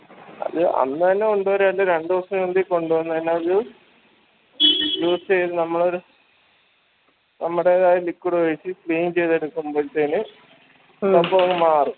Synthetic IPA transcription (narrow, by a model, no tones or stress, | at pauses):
ɐ̰ðɨʔɐ̰nːɨt̪ɐnːe̞uɳɖɨʋɐɾɐlːɐɾeɳɖɨʋɐrsɐmend̪iko̞ɳɖuʋɐnːut̪ɐnːeɐðɨ | iɡjoːst͡ɕejt̪ːɨnɐmːɐɭoɾu | nɐmːuɽeːðaːjɐlikːuɽuʋɐt͡ɕːifɭiːmt͡ɕe̞jt̪e̞ɽukːumboːɾt̪ɐnɨ | ɐpːoŋɐmaːrum